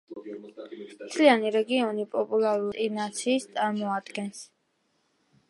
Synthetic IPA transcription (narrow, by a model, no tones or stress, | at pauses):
mt̪ʰlianiɾɛɡiɔnipʼɔpʼulˠaɾuinat̪sʰiːst̪sʼaɾmɔad̪ɡɛns